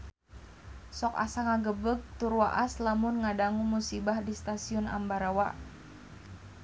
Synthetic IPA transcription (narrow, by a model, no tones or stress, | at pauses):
sɔka̰saŋaɡəbəɡ̚t̪urwaʔaslamʊnŋadaŋumusibahdist̪asiʊna̰mbaɾawa